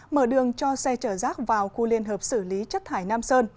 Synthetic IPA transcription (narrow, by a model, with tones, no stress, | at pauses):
məː˧˩ɗɨ˨˩əŋt͡ɕɔ˧sɛ˧t͡ɕəː˧˩zaː˦˥k̚vaː˨˩wxu˧li˧ənɦəː˨˩p̚sɨ˧˩li˨˦t͡ɕə˦˥t̚t̪ʰaː˧˩jnaː˧msəː˧n